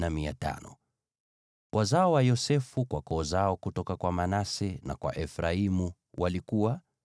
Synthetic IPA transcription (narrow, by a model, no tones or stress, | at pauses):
namiata̰nɔ̰ | wʔazaɔwajɔsɛfukwakɔːzaɔkutɔkakwamanasɛna̰kwa̰ʔɛfɾaimu | wʔalikuwa